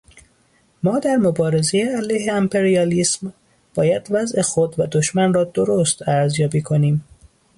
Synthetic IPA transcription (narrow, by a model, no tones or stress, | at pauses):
mɒːd̪æɾmobɒːɾe̞zejeælæjɦeæmpʰe̞ɾiɒːliːsm | b̥ɒːjæd̪væzexod̪væd̪oʃmænrɒːd̪oɾost̪æɾzjɒːbiːkʰo̞niːm